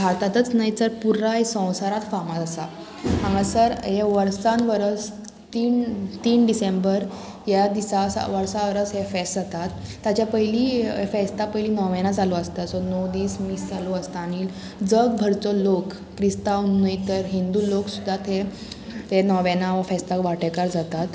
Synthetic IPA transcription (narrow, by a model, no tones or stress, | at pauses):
bʱaɾt̪at̪ət͡snaɦjt̪əɾpuɾaɦisə̃w̃saɾat̪famatasa | mãŋɡasəɾɦeʋəɾsanʋəɾəs | t̪iːnt̪iːnɖisembəɾ | ɦjad̪isasʋəɾsaʋəɾəsɦefɛsat̪at̪ːat͡ɕjapəɦliːfɛst̪apəɦiliːnɔʋẽnad͡zalɔəst̪asɔnɔd̪iːsmiːsd͡zaloəst̪aniːl | d͡zəɡ̚bʱəɾt͡sɔlokːɾist̪aunəjt̪əɾɦind̪uːloksud̪ʱːat̪ʰe | t̪enɔʋẽnaafɛst̪akʋaʈekaɾd͡zat̪at̪